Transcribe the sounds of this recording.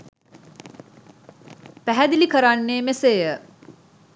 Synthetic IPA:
pæɦæd̪ilikəɾanːeːmesejə

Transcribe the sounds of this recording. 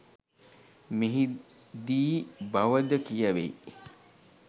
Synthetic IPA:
miɦi | d̪iːbɐʋɐd̪əkijɐʋḛi

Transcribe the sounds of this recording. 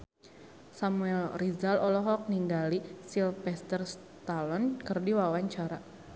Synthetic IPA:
samuɛlrizalɔlɔɦɔk̚niŋɡalisilfɛst̪ərs | t̪alɔnkɨrdiwawaɲt͡ʃaɾa

